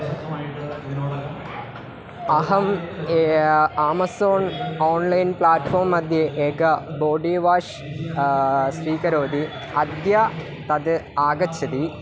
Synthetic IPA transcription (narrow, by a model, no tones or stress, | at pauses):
ɐɦɐm | aːmɐsoːnoːnlɐjnpɭaːʈːfoːmɐd̪jɐʔeːɡɐboːɖiːʋaːʂ | spiːkɐɾoːd̪i | ɐd̪jɐ | t̪ɐd̪ɨaːɡɐt͡ɕʰːɐd̪i